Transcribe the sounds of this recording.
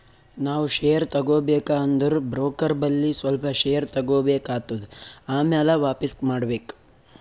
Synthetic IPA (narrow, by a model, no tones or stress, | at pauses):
naːʋuʃejɐɾt̪ɐɡoːbeːkaːnd̪ɐɾubɾoːkɐɾbɐlːisʋɐlpɐʃejɐɾt̪ɐɡoːbeːkaːt̪ːud̪uaːmaːlɐʋaːpismaːɖbeːk